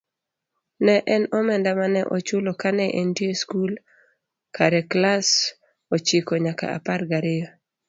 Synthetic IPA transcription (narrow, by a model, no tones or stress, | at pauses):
nɛʔɛnɔmɛndamanɛʔot͡ʃʊlokanɛʔentieskul | kʰaɾɛklas | ot͡ʃikɔɲaka̰a̰parɡaɾɪjɔ